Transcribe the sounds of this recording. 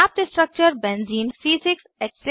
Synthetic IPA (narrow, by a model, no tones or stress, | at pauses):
ap̚ʈisʈɾɐk̚t͡ʃəɾbɛ̃nziːnsiːsɪkseks